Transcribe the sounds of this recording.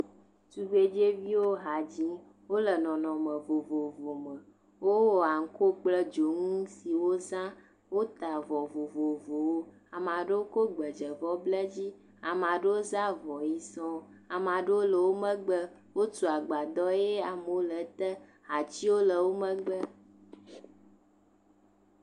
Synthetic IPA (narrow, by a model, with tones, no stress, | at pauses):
t̪u˨ve˦d͡ʒe˦vi˦wo˦ɦa˨d͡ʑĩ˦ | wo˦lə˨nɔ̃˨nɔ̃˨mə̃˨vo˨vo˨vo˨mə̃˨ | wo˦wɔ˨a˨ŋ̩˦ko˦k͡plə˦d͡ʒo˨ŋũ˦si˨wo˦zã˦ | wo˦t̪a˨vɔ˨vo˨vo˨vo˨wo˦ | a˨mã˨ɖe˦wo˦ko˦ɡ͡bə˨d͡ʒə˨vɔ˦blə˦d͡ʑi˦ | a˨m˨a˨ɖə˦wo˦za˦vɔ˨ji˨sɔ̃˦a˨mã˨ɖə˦wo˦lə˨wo˦mə̃˦ɡ͡bə˦ | wo˦t͡ʃu˨a˨ɡ͡ba˨d̪ɔ˦e˦a˨m˨wo˦lə˨t̪ə˦ | a˨t͡ɕi˦wo˦lə˨wo˦mə̃˦ɡ͡bə˦